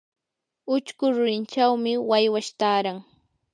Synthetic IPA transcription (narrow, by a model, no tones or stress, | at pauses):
ʊt͡ʃkʊɾʊɾɪnt͡ʃawmɪwajwaʃt̪aːɾaŋ